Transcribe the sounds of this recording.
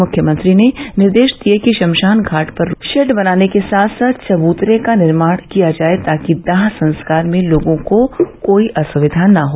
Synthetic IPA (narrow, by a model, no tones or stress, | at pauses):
mʊkʰjəmɐ̃nt̪ɾinenɪɾd̪eːʃd̪iekiʃɐ̃mʃaːnɡʱaːʈpɐɾʃɛʈbɐnaːnekesaːt̪ʰsaːt̪t͡ʃɐbuːt̪ɾekanɪɾmaːɽ̃kijad͡ʒaːet̪aːkid̪aːɦsɐ̃nskaːɾmẽloːɡõkokoːiʔɐsɐʋɪd̪ʱaːnːɐɦoː